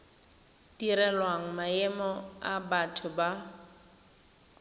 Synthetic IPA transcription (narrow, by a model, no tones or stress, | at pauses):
tiɾɛlwaŋ̩maɛmɔabatʰʊba